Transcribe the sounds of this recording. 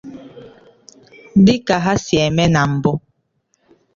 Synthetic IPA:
m̩˦di˦ka˨ɦa˦sjɛ˨mɛ˦na˨m̩˨bɔ˦

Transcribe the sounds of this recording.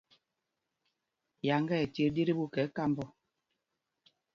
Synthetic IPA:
ja˨ŋɡɛ˦˨ɛ˨te˦˨˦di˦ɾi˦bu˦kɛ˨˦ka˦˨mbɔ˦

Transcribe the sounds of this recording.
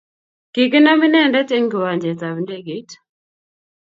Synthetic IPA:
ki˨kɪ˦na˦mɪ˦nɛ˦ndɛ˦te˦ŋɡwa˨ɲd͡ʒɛ˨ta˨bnde˦ɡi˦t

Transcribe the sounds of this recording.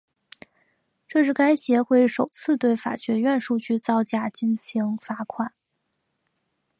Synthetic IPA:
ʈ͡ʂɤ˥˧ʂɻ̩˥˩ka˥ɪɕjɛ˧˥xwe˥˩ɪʂo˨˩ʊt͡sʰɹ̩˥˧t̪we˥˩ɪfa̰˨˩t͡ɕɥɛ˧˥ɥɛ˥˧nʂu˥˧t͡ɕy˥˧t͡sɑ˥˧ʊt͡ɕja˥˩t͡ɕi˥nt͡ɕʰi˧˥ŋfa˧˥kʰwa˨˩˦n

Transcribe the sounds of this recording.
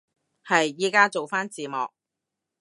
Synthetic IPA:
hɐ˨jiː˥kaː˥t͡so˨wfaː˥nt͡siː˨mɔ̰ː˨k̚

